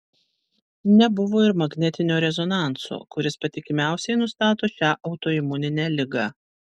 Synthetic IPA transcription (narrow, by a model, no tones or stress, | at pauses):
nʲɛbʊʋoːɪɾmɐɡnʲɛt̪ʲɪnʲoːɾʲɛzɔnɑˑnt̪so̰ːkʊɾʲɪspɐt̪ʲɪkʲɪmʲæˑʊsʲɛɪnʊst̪ɑːt̪oːʃʲæːʔɒʊt̪oːɪmʊnʲɪnʲæːlʲɪɡɑ